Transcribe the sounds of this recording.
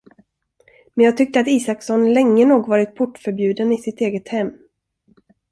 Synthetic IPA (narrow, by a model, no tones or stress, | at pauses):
mɛnjɑːɡ̚t̪ʰʏk̚t̪əat̪iːsaksɔnlɛŋːənuːɡvɑːɾɪt̪̚pʰʊʈːfœɾbjʉ̟ːd̪ənɪsɪt̪eːɡət̪hɛmː